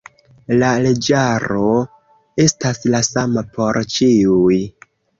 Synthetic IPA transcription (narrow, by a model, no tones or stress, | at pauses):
lale̞d͡ʒaɾo̞ | e̞staslasamapʰo̞ɾt͡ʃiuj